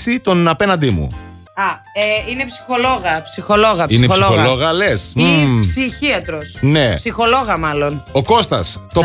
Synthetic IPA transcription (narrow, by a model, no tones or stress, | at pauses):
sit̪o̞nɐpe̞nɐnd̪imṵ | ɐ | eine̞psi̥xo̞lo̞ɣɐpsixo̞lo̞ɣɐpsinesioxoɣllo̞ɣɐlessiçiɐt̪ɾosnesixo̞lo̞ɣɐmɐlo̞noko̞st̪ɐ̰st̪o